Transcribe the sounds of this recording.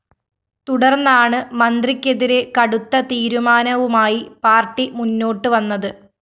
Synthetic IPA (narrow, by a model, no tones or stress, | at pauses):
t̪uɽɐrnːaːɳɨmɐnd̪rikʲːe̞ðiɾe̞kɐɽut̪ːɐt̪iːɾumaːnɐʋumaːjipaːrʈːimunːo̞ːʈːɨʋɐnːɐðɨ